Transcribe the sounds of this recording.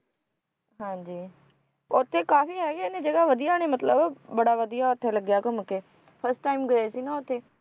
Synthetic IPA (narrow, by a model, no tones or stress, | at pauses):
ɦãːd͡ʒiː | ʊt̪ʰːeːkaːfiːɦɛːɡeːnẽːd͡ʒəɡaːʋəd̪ijaːneːmət̪ləbbəɽaːʋəd̪ijaːʊt̪ʰːeːləɡjaːkoməkeː | pʰəɾsʈaːimɡəeːsiːnãːʊt̪ʰːeː